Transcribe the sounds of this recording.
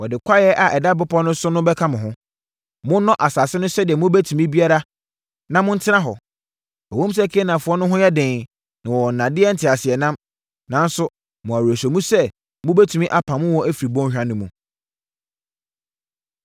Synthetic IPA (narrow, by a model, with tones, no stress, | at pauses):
wɔ˨dɪ˨kʷʰa˦jɛ˦ʔa˨ʔɛ˨da˦bʊ˦pʰɔ˦nʊ̃˦sʊ˦nʊ̃˦bɛ˦kʰa˦mʊ̃˨ɦʊ̃˦ | mʊ̃˦nɔ̃˦ʔa˨saː˨sɪ˦nʊ̃˦sɛ˦dɪ˨ɛ˨mʊ̃˦bæ˦tʰu˨mĩ˦bi˦a˦ɾa˦ | nã˨mʊ̃˦n̩˦tʰɪ˦ã˦ɦɔ˨ | æ˨õ˦m˦s̬a˦kʰe˦nã˨fʊ˨˦ɔ˦nʊ̃˦ɦʊ̃˦jɛ˦dɪ̃˨ | nã˨wɔ˨n̩˨nːã˨dɪ˦ɛ˦n̩˦˨tʰɪ˨a˨sɪ˨ɛ˨nã˦m | nã˨˦n̩˦sʊ˦ | mʊ̃˨æ˨wu˨æ˨sɛ˨mũ˦sɛ˦ | mʊ̃˦bæ˦tʰu˨mĩ˦ʔa˦pʰã˨mʊ̃˦wɔ̃˦æ˦fi˨ɾi˨bɔ̃˦ɕᶣa˦nʊ̃˦mũ˨